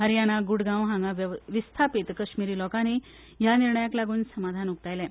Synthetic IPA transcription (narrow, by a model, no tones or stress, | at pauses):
ɦəɾjanaɡuɽɡãwɦãŋɡaʋʋist̪ʰapit̪kəɕmiɾiːlɔkani | janiɾɳəjaklaɡuːnsəmad̪ʱanuk̚t̪ajlɛ̃